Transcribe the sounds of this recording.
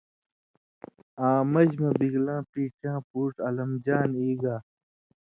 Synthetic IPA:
ãːmɐd͡ʑmɐbiɡlãːpiːʈãːpuːʈɐlɐmd͡ʑaːniːɡaː

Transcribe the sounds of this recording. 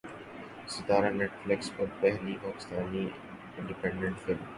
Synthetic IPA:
sɪt̪aːɾanɛʈflɪksfɔɾbɛɦliʔɔːkst̪aːni | ɪ̃ɳɖɪpɛ̃ɳɖə̃ɳʈfɪlm

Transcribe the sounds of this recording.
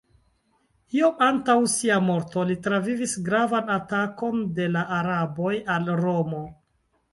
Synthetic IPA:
io̞mantawsiamo̞ɾto̞litɾavivisɡɾavanatako̞nde̞laʔaɾabo̞jalɾo̞mo̞

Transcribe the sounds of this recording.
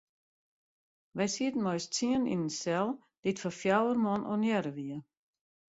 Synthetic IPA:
ʋɛjsiədn̩mɔjst͡sʰiənḭnnsɛlˠ | d̥ɪtfɔfjawərmɔnʔɔ̰njɛɾəʋiə

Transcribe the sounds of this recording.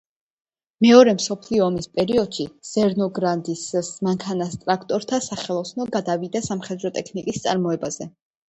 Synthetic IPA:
mɛɔɾɛmsɔpʰliɔːmispʼɛɾiɔd̪̥ʃiz̥ɛɾnɔɡɾand̪issmaŋkʰanast̪ʼɾakʰt̪ʼɔɾt̪ʰasaχɛlˠɔsnɔɡad̪avid̪asamχɛd̪ɾɔt̪ʼɛkʰnikʼist̪sʼa̰ɾmɔɛbaz̥ɛ

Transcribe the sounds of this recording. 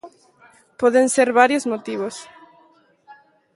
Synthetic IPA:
pɔðenseɾβaɾjozmot̪iβ̞os

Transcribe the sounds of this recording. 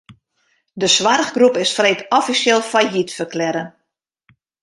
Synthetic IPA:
dəswarɣɡrupɪsfreːtʰɔfisjɪlˠfajɦitfərklɛɾən

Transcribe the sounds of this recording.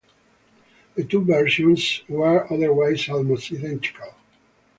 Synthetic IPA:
ðətuvɛɹʃɔ̃nswəɹʌðəɹwaɪzɔlmostiθɛ̃nti̥kʰalˠ

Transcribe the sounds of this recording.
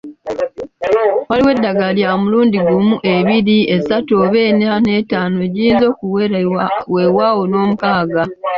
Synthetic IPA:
waliwe̞dːaɡaljamuluːndiɡumuʔe̞βiɾie̞satoβe̞nane̞taːnoeɟiiːnzo̞ːkuweɾwe̞wawo̞noːmukaːɡa

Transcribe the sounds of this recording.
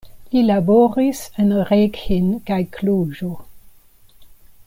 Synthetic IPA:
ilabɔːʁisənʁɛːɡhɪnɡ̥ajkʰluːʒo

